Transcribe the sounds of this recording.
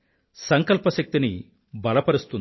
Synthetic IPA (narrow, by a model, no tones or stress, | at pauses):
sɐŋkɐlpɐʃɐk̚t̪ini | bʱɐlɐpɐɾust̪un